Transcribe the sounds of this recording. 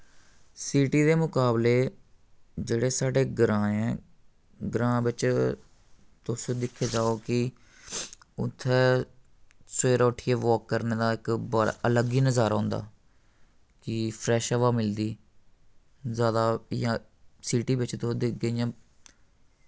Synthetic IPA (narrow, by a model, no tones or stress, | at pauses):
siːʈiːd̪eːmʊkaːbleː | d͡ʒeːɽeːsaːɖeːɡɾãːɛ̃ː | ɡɾãːʋɪt͡ʃ | t̪ʊsõːd̪ɪkʰːeːd͡ʒaːoːkɪ | ʊ̰t̪ʰːɛː | seːɾɔːʈʰːiːeːʋɔːkːəɾneːd̪aːɪkbaɾ̰ʔələɡiːnəzaːɾãːnd̪a̰ː | kɪpʰɾɛːʃəʋaːmɪld̪iː | zjaːd̪aːjãː | siːʈiːbɪt͡ʃt̪õd̪ɪɡəijãː